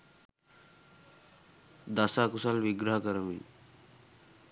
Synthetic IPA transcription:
d̪asakusalʋɪɡɾəɦəkəɾəmḭ

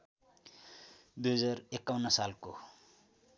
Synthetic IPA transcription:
d̪uɦʌd͡zarekːawnːʌsalko

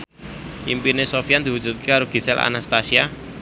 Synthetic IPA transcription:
ʔimpinesofijand̪̥i̤wud̥d͡ʒ̥ṳt̪̚kekaɾoɡ̥i̤sɛlʔa̰nast̪asia

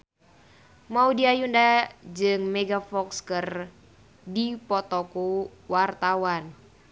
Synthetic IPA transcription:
maudiajundad͡ʒɨŋmɛɡafɔkskər | dipɔt̪ɔkuwart̪awan

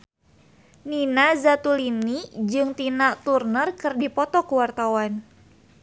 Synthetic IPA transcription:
ninazat̪ulinid͡ʒɨŋt̪inaʔt̪urnərkɨrdipɔt̪ɔkuwart̪awan

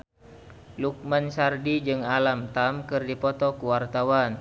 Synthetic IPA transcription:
luk̚mansardid͡ʒɨŋalamt̪amkɨrdipɔt̪ɔkuwart̪awan

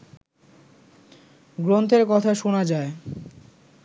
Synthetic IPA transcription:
ɡɾont̪ʰeɾkɔt̪ʰaʃonad͡ʑae

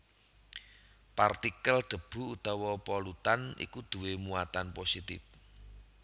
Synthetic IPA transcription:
part̪ikəld̪̥ə̤b̥ṳut̪ɔwɔpɔlut̪anḭkud̪̥ṳwemuat̪anposit̪ɪf

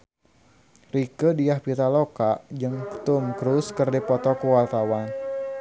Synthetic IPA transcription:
rikədijahpit̪alokaʔd͡ʒɨŋt̪umkɾuskərdipɔt̪ɔkuwalt̪awan

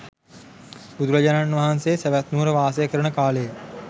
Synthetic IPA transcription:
bud̪uɾɐd͡ʑananʋaɦansejseʋæt̪nuːɾəʋaːsejəkəɾəɳəkaːləjə

